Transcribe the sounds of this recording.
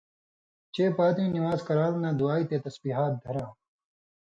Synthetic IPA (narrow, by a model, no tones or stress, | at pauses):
t͡ɕeːpaːt̪ĩːniwaːzkɐɾaːlnãːd̪uaːiːt̪eːt̪ɐsbiːɦaːt̪̚d̪ʱɐɾãː